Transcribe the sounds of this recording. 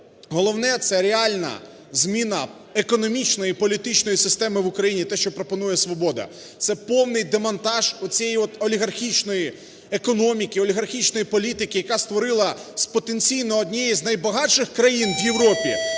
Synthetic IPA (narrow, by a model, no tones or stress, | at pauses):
ɦɔlˠɔwnɛt̪sɛɾeɑlʲnɐ̰ | zmʲinɐ | ekɔnɔmʲit͡ʃnɔjipɔlʲit̪ɪt͡ʃnɔjisɪst̪ɛmɪʋʊkɾɐjinʲit̪ɛʃt͡ʃɔpɾɔpɔnujɛsʋɔbɔd̪ɐ̰ | t̪sɛpɔwnɪjd̪emɐnt̪ɑʒʊt͡sʲɛjɔt̪ɔlʲiɦɐrxʲit͡ʃnɔji | ekɔnɔmʲikʲiɔlʲiɦɐrxʲit͡ʃnɔjipɔlʲit̪ɪkɪjɐkast̪ʋɔɾɪlˠɐspɔt̪enʲt͡ssʲijnɔːd̪ʲnʲɛjiznɐjbɐɦɑt͡ʃɪxkɾɐjinʋjewɾɔpʲi